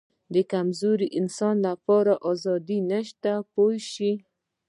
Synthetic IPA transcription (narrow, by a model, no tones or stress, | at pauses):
d̪əkamzoɾiʔɪnsɑnlapɑɾaʔɑzɑd̪inaʃt̪apojʃi